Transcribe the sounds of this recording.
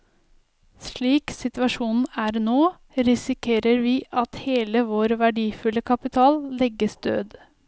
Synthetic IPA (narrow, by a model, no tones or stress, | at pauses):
sɭiːksɪt̪ʋɑʂuːnn̩æɾnoː | ɾɪsɪkʰeːɾəɾʋiːʔɑt̪heːləʋoːɾʋæɖiːfʉləkʰɑpɪt̪ʰɑːllɛɡəsd̪ø̰ːd̪